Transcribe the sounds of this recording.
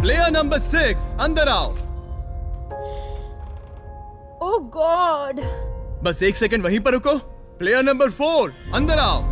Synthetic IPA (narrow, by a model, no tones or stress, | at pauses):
pleːjəɾnɐmbəɾsɪksɐ̃nd̪əɾaːo | oːɡɔɖbɐseːksek̬ə̃ɳɖʋɐɦĩpɐɾɦʊko | pleːjəɾnɐ̃mbəɾfoːɾɐ̃nd̪əɾaːo̰